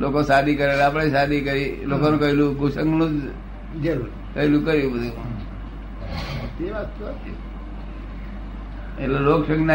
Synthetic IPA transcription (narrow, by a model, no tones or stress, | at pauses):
lokosad̪ikəɾelapɽ̃esad̪ʱikəɾilokonũkəɦelũɡʱusəŋɡnũd͡ʒ | d͡ʒəɾu | kəɦelũkəɾjũbəd̪ʱũ | t̪eʋat̪ːoət̪i | ḛleloksəŋɡna